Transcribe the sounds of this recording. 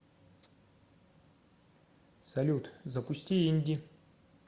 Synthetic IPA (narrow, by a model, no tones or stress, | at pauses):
sɐlʲut̪zɐpusʲtʲiinʲd̪ʲi